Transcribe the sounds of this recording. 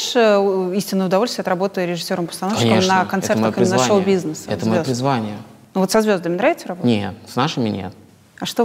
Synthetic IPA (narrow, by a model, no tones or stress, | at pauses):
ʂəisʲtʲɪnəjʊd̪ɐvolʲst̪vʲɪɐt̪ɾɐbo̞t̪əjʊɾʲɪʐɨsʲːo̞ɾəmpə̥st̪ɐnofʲkəemnəkɐnɛrtməoxɨɪnəʂobʲiznəsəɛ̰t̪əzmɐjopɾʲɪzvanʲɪjə | nuvo̞t̪sɐzvʲo̞zd̪əmʲɪnɾavɪt̪səɾɐbonʲet̪snaʂɨmʲɪnʲḛt̪ | ɐʂt̪o